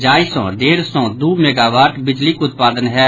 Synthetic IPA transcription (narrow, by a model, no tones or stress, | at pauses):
d͡ʒaːisɔ̰̃ːd̪eːɾsɔ̃ːd̪uːmɛːɡaːʋaːʈbɪd͡ʒlikʊt̪̚paːd̪ənɦɛː